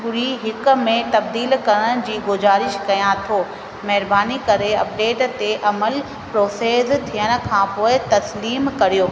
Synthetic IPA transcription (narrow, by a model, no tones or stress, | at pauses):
ɡʊɾiɦɪk̆mẽt̪ɐb̚d̪iːlkɐɾəɽ̃̆d͡ʑiːɡʊzaːɾɪʃkɐjãt̪ʰoː | mɐɦɪɾbaːnikɐɾeɐp̚ɖeːʈt̪eʔɐməl | pɾoːseːzt̪ʰijəɽ̃ə̆kʰãːpoːɪt̪ɐsliːmkɐɾijoː